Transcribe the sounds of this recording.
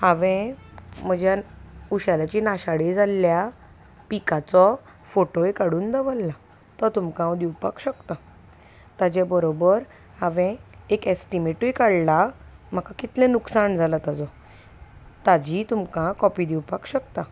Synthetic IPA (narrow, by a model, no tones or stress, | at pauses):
haʋɛ̃m̤əd͡ʑjauɕalat͡ɕinaɕaɽid͡zʱalːja | pikat͡sɔ | foʈoekaɽuːnd̪əʋəlːa | t̪ɔt̪umkãwd̪iwpa̰kɕəkt̪a | t̪ad͡ʑabəɾobəɾ | haʋɛ̃ekɛsʈimeʈujkəɽlam̤əkakit̪lɛ̃nuksaɳd͡zʱalat̪ad͡zɔ | t̪ad͡ʑit̪umkãkɔpiːd̪iwpakɕəkt̪a